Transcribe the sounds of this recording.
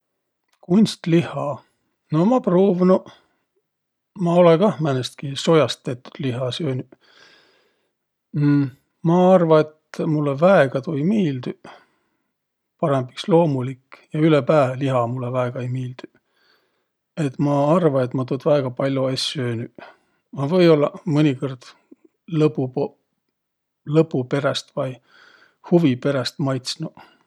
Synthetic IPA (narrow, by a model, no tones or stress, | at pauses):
kunʲst̪lihɑ | nomɑproːvno | mɑo̞lekɑhmænest̪kiso̞jɑst̪ːet̪ːu̥d̪̥liɦɑsøːny | mɑɑrvɑe̞t̪mulːevæeɡ̥ɑt̪ojmiːld̪y | pɑɾemb̥ikslo̞ːmulikːjɑylepæːvliɦɑmulːevæeɡ̥ɑejmiːld̪̥y | e̞t̪mɑɑrvɑe̞t̪ˑmɑt̪od̪̥væːɡ̥ɑpɑlʲjoesʲøːny | mɑvɤjo̞lːɑmɤnʲikord̪̥ | lɤpːupo | lɤpːˑupe̞ɾest̪vɑj | huvipe̞ɾest̪mɑjt̪snu